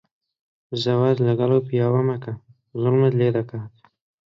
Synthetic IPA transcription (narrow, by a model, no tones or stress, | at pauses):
zawazlaɡalopijɑwamaka | zʊlmad̪led̪akat̪